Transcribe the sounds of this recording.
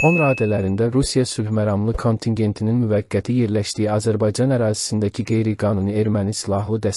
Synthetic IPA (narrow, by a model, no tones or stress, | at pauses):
o̞nɾɑːd̪ælæɾind̪æɾusijɑsubmæɾɑmlˠɯkʰo̞nt̪ʰiŋɟe̞nt̪ʰininmyvæɡːæt̪ʰije̞ɾlæʃd̪ijiɑzæɾbɑjd͡ʒɑnæɾɑːzi̥sind̪æcʰiɡe̞jɾiɡɑːnunɯe̞ɾmænisilˠɑɦlˠɯd̪æs